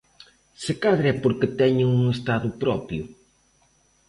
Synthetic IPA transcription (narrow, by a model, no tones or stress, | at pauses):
sekaðɾɛpoɾkɪt̪ɛɲɪŋuŋest̪aðʊpɾɔpjʊ